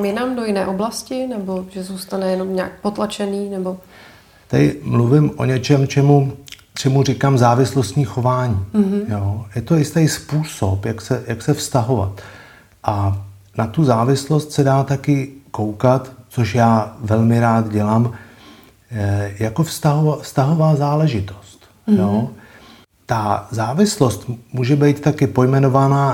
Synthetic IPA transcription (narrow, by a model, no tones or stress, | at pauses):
mamjɪnamdojɪnɛːʔoblascɪnɛbo̞ʒɛzuːst̪anɛjɛno̞mɲa̰ːk̚pot̪lat͡ʃɛniːnɛbo | t̪adɪmluvɪmʔo̞̰ɲɛt͡ʃɛmt͡ʃɛmu | t͡ʃɛmurɪkaːmzaːvɪslost̪ɲiːxo̞vaːɲiːjoːjɛt̪oɪst̪ajspuːso̞pjaksɛjaksɛfst̪aɦo̞va̰t̪ | ʔa | nat̪uzaːvɪslo̞st̪sɛdaːt̪akɪko̞wkat̪t͡so̞ʃjaːvɛlmɪɾaːt̪ɟɛlaːm | jako̞fst̪aɦovafst̪aɦo̞vaːzaːlɛʒɪt̪o̞̥st̪ | joː | t̪azaːvɪslo̞st̪muːʒɛbɛjt̪t̪akɪpo̞jmɛno̞vanaː